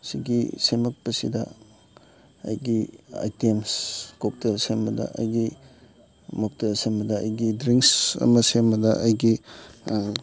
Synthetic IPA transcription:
siɡisemɐk̚pɐsidɐ̰ | ɐ̰jɡia̰jtemskok̚teɾsemɐdɐ̰ʔɐ̰jɡi | mok̚tɐɾsembɐdɐːjɡidɾiŋksɐ̰mɐsembɐdɐʔɐjɡi

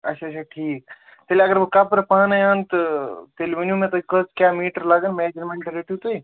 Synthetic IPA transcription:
ət͡ʃʰat͡ʃʰaʈʰiːk | t̪əleəɡəɾbkapɾpanajənt̪ʈelebinjũmet̪əikəskjamiːʈəɾlaɡənmed͡ʒəɾmẽɳʈɾeʈjut̪əj

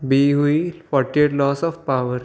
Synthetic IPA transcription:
biɦuifɔʈːieʈlɔsɔfpaʋəɾ

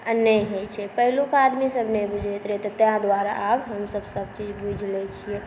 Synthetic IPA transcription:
ənjəɦot͡ʃʰɛpəɦlukad̪misəbʱnebud͡ʒʱet̪ɾɛt̪ɔt̪jãd̪waɾa̰ʔabɦəmsəbsəb̚t͡ʃid͡ʒbud͡ʒʱlɛt͡ʃʰiɛ

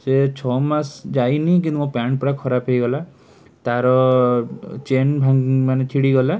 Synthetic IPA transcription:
set͡ʃʰɔmasd͡ʒajnik̬ĩnt̪umũpaɳʈ̚pɾakʰɔɾapɦejɡɔla | t̪aɾɔ | t͡ʃenbʱaŋmanet͡ʃʰiɽiɡɔla

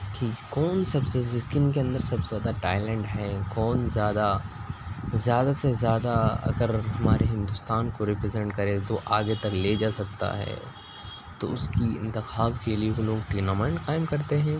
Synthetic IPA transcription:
ʈʰiːkɛkɔːnsɐbsezɪskɪ̃ŋkeɐ̃nd̪əɾsɐbzjaːd̪aʈaːɪlɛ̃ːɳɖɦɛkɔːnzjaːd̪a | zjaːd̪asezjaːd̪aɐ̰ɡəɾɦɐmaːɾeɦɪ̃nd̪ʊst̪aːnkoɾɪpɾɪzɛ̃ɳʈkɐɾẽt̪oʔaːɡet̪ɐkled͡ʒaːsɐk̚t̪a̰ɦɛ̰ː | t̪o̰ʊskiɪ̰̃nt̪ɪxaːbkelieɦoloːɡʈiːnamãːɪ̃ɳʈqaːɪmkɐɾt̪eɦɛ̃ː

